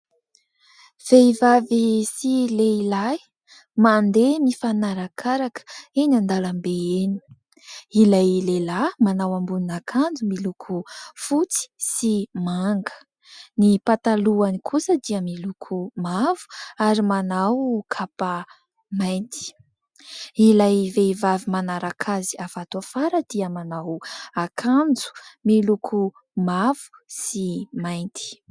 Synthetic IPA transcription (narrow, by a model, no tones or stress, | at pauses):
v̥eivavisileilaj | mand̪emifanaɾakʰaɾakə̥enand̪alambeeni̥ | ilajlelamanawambuninakʰand͡zumilukʰufut͡si̥simaŋɡə̥ | nipat̪aluanikʰusəd̪iəmilukʰumavu̥aɾimanawkʰapa | majnt̪i̥ | ilajvevavimanaɾakʰaziavat̪uafaɾəd̪̥iəmanawakʰand͡zu̥milukʰu | mavu̥simajnt̪ʰi̥